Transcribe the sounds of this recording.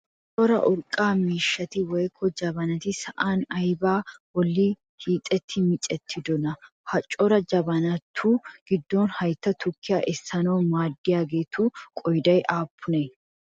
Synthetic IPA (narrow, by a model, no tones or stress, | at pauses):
t͡ʃʼɔɾɐ̰ʔʊɾkʼaːmiːʃːɐt̪ɪwɔjkʰːɔd͡ʒɐbɐnɐt̪ɪsɐʔaːnɐjbaːwɔlːi | hiːt̪ʼɛt̪ʰːɪmɪt͡ʃʼɛt̪ʰːɪd̪ɔnɐ | hɐt͡ʃʼɔɾɐd͡ʒɐbɐnɐt̪ʰːuːɡ̥ɪd̪ːɔnhɐjt̪ːɐt̪ʰʊkʰːɪjaːʔɛsːɐnoːmaːd̪ːɪjaːɡe̞ːt̪ʰuːkʼɔjd̪ɐjʔaːpʰːʊne